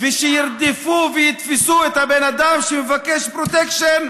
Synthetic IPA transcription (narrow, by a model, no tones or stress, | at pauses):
veʃejiɾd̪ifuvejit̪fisuet̪habenad̪amʃemevakeʃpɾot̪ekʃen